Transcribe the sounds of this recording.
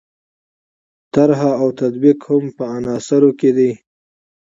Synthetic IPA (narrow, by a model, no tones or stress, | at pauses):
t̪aɾɦaawt̪ad̪biqhʊmpəanɑːsaɾoked̪i